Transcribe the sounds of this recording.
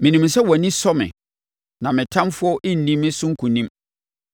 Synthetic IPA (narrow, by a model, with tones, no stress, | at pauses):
mɪ̃˨nĩ˨msɛ˦wɔ˨nĩ˦sɔ˦mɪ̰̃˨ | nã˨mɪ̃˨tʰã˦mfʊ˦ɔ˦ʔɪ̃˦n̩˨dĩ˦mɪ̃˦sʊ̃˦ŋ̩˦kʰũ˨nĩ˦m